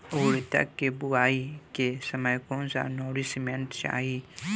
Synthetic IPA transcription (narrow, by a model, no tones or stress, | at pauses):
oːɾt̪ɐ̰kːebʊaːikesəməjkõsa̰noːɾisɪmẽɳʈt͡ʃa̰ːɦi